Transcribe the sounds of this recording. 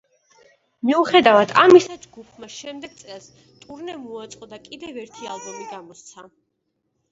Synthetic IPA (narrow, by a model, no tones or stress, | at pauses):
miuχɛd̪avad̪ʰamisad͡ʒɡupʰmaʃɛmd̪ɛɡ̚t̪sʼɛlˠs | t̪ʼuɾnɛmuat̪sʼqʼɔd̪akʼid̪ɛvɛɾt̪ʰia̰lˠbɔmiɡamɔst̪sʰa